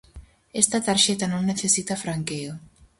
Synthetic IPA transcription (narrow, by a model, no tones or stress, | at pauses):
est̪at̪aɾʃet̪anõŋneθesit̪afɾaŋkeo